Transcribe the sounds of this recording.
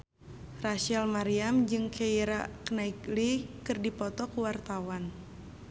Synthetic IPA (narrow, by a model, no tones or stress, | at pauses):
raʃalmaɾiamd͡ʒɨŋkeiɾakənaiklikɨrdipɔt̪ɔkuwart̪awan